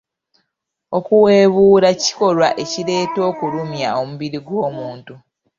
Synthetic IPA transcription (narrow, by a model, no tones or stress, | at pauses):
o̞kuwe̞ːβuːɾaci̥ko̞lwaʔe̞ciɾe̞ːto̞ːkuɾumjao̞muβiɾiɡwo̞ːmuːntu